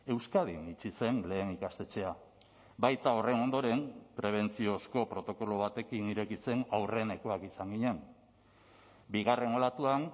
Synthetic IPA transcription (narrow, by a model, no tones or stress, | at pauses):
e̞wskað̞init͡ʃise̞nle̞ːnikast̪e̞t͡se̞a | bajt̪ao̞re̞no̞nd̪o̞ɾe̞mpɾe̞β̞e̞nt͡sio̞sko̞pɾo̞t̪o̞ko̞lo̞β̞at̪e̞kiniɾe̞kit͡se̞nawre̞ne̞ko̞akisaŋɡiɲe̞n | biɣare̞no̞lat̪uan